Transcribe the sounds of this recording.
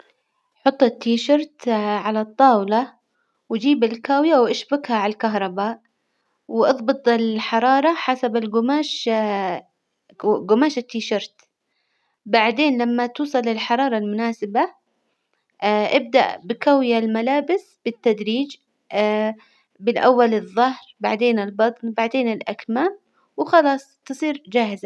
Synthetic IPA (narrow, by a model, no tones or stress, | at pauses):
ħʊt̪ˤːɪt̪ːiːʃɑɾˤt̪ʕalat̪ˤːɑːwlɑ | wd͡ʒiːbɪlkaːwjawʔaʃbʊɡhaʕallkaɦɾˤɑbaːʔ | wʔɑðˤbɨt̪ˤɪlħɑɾˤɑːɾˤɑħasabɪlɡʊmaːʃ | ɡʊmaːʃɪt̪ːiːʃɑɾˤt̪ | baʕd̪eːnlamːat̪uːsˤɑlɪlħɑɾˤɑːɾˤɑlmʊnaːsɪba | ʔɪb̚d̪a̰ʔbɪkawɪjalmalaːbɪs | b̥ɪt̪ːad̪ɾiːd͡ʒ | bɪlʔawːalɨðˤːɑhɾbaʕd̪eːnɪlbɑt̪ˤnbaʕd̪eːnɪlʔakmaːm | wɪxɑlɑːsˤt̪ɨsˤiːɾd͡ʒaːhɪza